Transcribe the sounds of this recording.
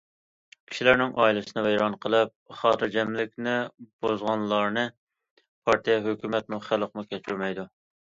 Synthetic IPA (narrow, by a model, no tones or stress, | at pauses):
kʲʰi̥ʃilæɾnɪŋʔɑːilɨsɨnɨvɛjɾɑnqʰəlˠɨp̚χɑːt̪ʰɨɾd͡ʒɛmlɪkʲnɪb̥ozʁɑnlˠɑɾnɨ | pʰɑɾt̪ʰijɛɦøkʲymɛt̪muχælˠqmukʲʰɛt͡ʃʰyɾmɛjd̪u